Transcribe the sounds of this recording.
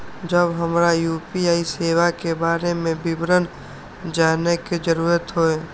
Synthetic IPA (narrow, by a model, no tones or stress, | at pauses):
d͡ʒəbɦəmɾajuːpiaːiseːʋakebaːɾemẽbɪbɾən | d͡ʒaːneked͡ʒəɾuːɾət̪ɦoeː